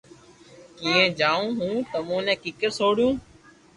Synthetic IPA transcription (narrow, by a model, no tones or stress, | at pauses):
kiːẽːd͡ʒaːũːɦũːt̪əmũːnɛ̃ːkɪkəɾsoːɽjũː